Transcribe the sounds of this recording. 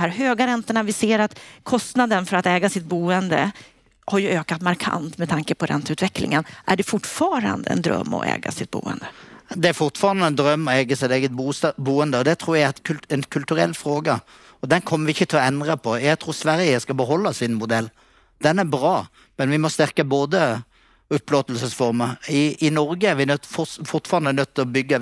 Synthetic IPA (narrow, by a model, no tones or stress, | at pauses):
hæːɾɦøːɡaɾɛnt̪əɳavɪseːɾat̪kʰɔst̪nad̪ənfœɾat̪ɛːɡasɪt̪̚buːənd̪ə | haɾjɵʔøːkat̪maɾkʰa̰nt̪mɛt̪ʰaŋkəpɔɾɛ̰nt̪əʉ̟t̪vɛklɪ̰ŋənʔæ̰ɖɛfʊʈːfɑːɾa̰nd̪ə̰ɛ̰nd̪ɾœ̰mːɔ̰ʔɛ̰ːɡa̰sɪt̪̚bṵːə̰nd̪əd̪ɛæɾfʊʁt̪fɑːɾɑnd̪əɛnd̪ɾœmːɔɛːɡəsɪt̪eːɡət̪̚buːsbuːənd̪əɔd̪ɛt̪ʰɾuːɾjæɡt̪k̪ʰɛnkʰʉlt̪ʉɾɛ̰lːfɾoːɡə | ɔd̪ɛnkʰɔmːəɾʋɪɪçːət̪ʰɪlɔɛnd̪ʁɑpʰɔjæɡt̪ʰɾuːɾsʋæɾjəskɑbəɦɔlːɑsɪnmʊd̪ɛlː | d̪̥ɛnæɾbɾɑː | mɛnʋɪmɔst̪æɾkəboːd̪ə | ʊpːloːt̪əlsəsfɔɾməɾɪɪnɔɾɡəæɾʋɪnfʊfʊʁt̪fɑːɾɑnd̪ənœt̪ʰːɪlɔbʏɡːə